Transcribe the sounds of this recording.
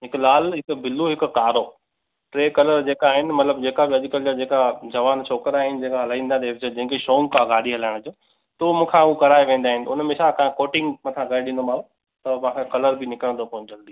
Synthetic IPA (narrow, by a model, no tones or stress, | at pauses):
ɦɪklaːlɦɪkbɪlːoɦɪkkaːɾoː | ʈɾeːkɐləɾd͡ʑeːkaːɦɪnɪ̆mɐt̪ləbd͡ʑeːkabɪɐʄkəld͡ʑad͡ʑeːkad͡ʑɐʋaːnt͡ɕʰoːkəɾaːɦɪnɪd͡ʑeːkaɦɐlaːĩːnd̪at̪eːbd͡ʑed͡ʑɐ̃ɪ̃keʃoːŋɡkãɡaːɗiɦɐlaːɪɽ̃d͡ʑoː | t̪oːmũːkʰãukɐɾaːeʋẽːnd̪aːɦɪnɪ̆ʊnmẽsakɐ̃koːʈɪ̃ŋɡmɐt̪ʰãɡɐɾeɗɪ̃nd̪omaːo | t̪ɐmɐ̃ʋãkʰekɐləɾbʱɪnɪkəɽə̃nd̪okoːnd͡ʑɐld̪iː